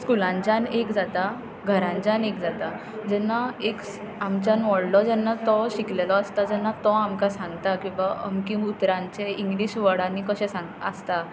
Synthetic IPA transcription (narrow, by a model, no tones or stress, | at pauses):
skulãɲt͡ɕanekd͡zat̪a | ɡʱəɾãɲt͡ɕanekd͡zat̪a | d͡zɛnːaeks | amt͡ɕanʋɔɽlɔd͡zɛnːat̪ɔɕiklelɔəst̪ad͡zɛnːat̪ɔamkasãŋɡt̪akĩw̃ʋaə̰mkĩmut̪ɾãɲt͡seiŋɡliɕʋəɽãnːikəɕɛ̃sãŋɡə̰st̪a